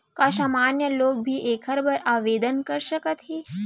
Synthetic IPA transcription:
kasamaːnjəloːɡ̚bʱiːʔekʰəɾbəɾaːʋeːd̪ənkəɾʃəkət̪ɦe

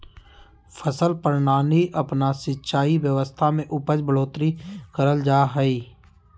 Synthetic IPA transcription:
fʰəsəlpəɾnaːniʔɐpnasɪtːʃaːiʋjəʋəst̪ʰamẽʔʊpəd͡ʒbʱəloːt̪ɾikəɾəld͡ʒaːɦəiː

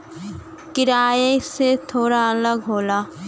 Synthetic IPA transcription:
kɪɾaːjeset̪ʰoːɾaələɡɦoːlaː

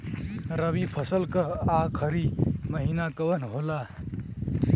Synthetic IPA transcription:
ɾəbipʰʌsəlkʌakʰəɾiməɦinakəwənɦola

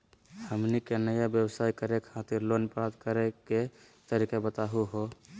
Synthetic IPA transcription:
həmnikenəjabjəwəsaikəɾekʰat̪iɾlonpɾat̪kəɾeke | t̪əɾikabət̪aɦuɦo

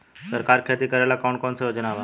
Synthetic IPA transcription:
səɾkaːɾkʰet̪ikəɾeːlakɔːnkɔːnseɦod͡ʒənaːʋaː

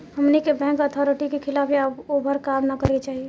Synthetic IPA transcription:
həmnikebɛ̃ːŋkət̪ʰɔɾɪʈikekʰɪlaːpʰeəbobʱəɾkaːmnakəɾet͡ʃaːɦie

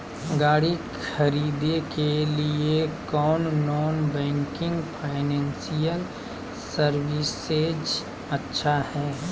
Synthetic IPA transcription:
ɡaːɽi | kxʰɐɾiːd̪ekeliekɔːnːɔːnbɛ̃ːŋkɪ̃ŋɡpʰaːɪnɛ̃ːnsijəl | səɾwɪs | ed͡ʒ | ətːʃʰahɛː

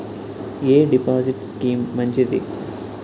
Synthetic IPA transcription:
eːɖipaːziʈskiːmːɐɲd͡ʒid̪i

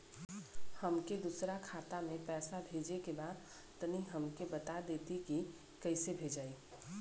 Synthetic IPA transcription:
həmked̪usɾakʰat̪amepɛːsabʱed͡ʒekebad̪ | t̪əniɦəmkebət̪ad̪et̪iki | kəɪsebʱed͡ʒai

